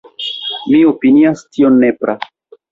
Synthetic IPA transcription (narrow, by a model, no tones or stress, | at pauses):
mio̞piniastio̞nːepɾa